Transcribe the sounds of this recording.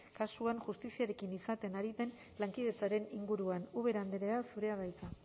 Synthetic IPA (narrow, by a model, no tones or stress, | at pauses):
kasuanʝust̪isiaɾe̞kinisat̪e̞naɾiðe̞n | laŋkið̞e̞t͡saɾe̞niŋɡuɾuanuβe̞ɾand̪eɾeasuɾe̞aβajt͡sa